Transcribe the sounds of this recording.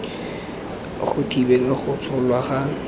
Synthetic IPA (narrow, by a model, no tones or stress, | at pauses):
χʊtʰibelaχʊt͡sʰɔlwaχa